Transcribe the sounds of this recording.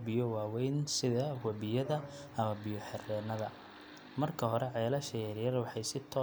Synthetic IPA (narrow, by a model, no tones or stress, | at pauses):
bɪjɔwɑːwɛjnsɪðɐwɐβɪjɐðɐ | ʔɐmɐbɪjɔħɛrɛːnɐðɐ | mɐrkʰɐɦɔɾɛʕɛːlɐʃɛjɐɾjɐrwɑħɑjsɪt̪ʰɔː